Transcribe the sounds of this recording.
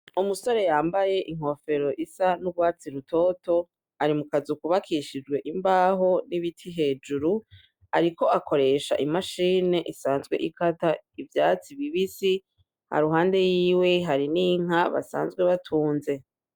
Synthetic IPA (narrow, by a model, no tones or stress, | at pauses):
umuso̞ɾe̞jaːmbaje̞ʔiŋ̥ho̞fe̞ɾo̞ʔisanuɡɡwaːt͡siɾutʰo̞ːto̞ | aɾimukazukuβakʰiʃid͡ʒɡwe̞ʔimbaːɦo̞niβitʰiɦe̞ːd͡ʒuɾu | aɾiko̞ʔako̞ɾe̞ʃa̰ʔimaʃiːne̞ʔisaːnzɡwe̞̰ʔikataivjaːt͡siβiβisi | ha̰ɾuɦaːnde̞jiːwe̞ɦaɾiniːŋ̥aβa̰sa̰ːnzɡwe̞βatʰuːnze̞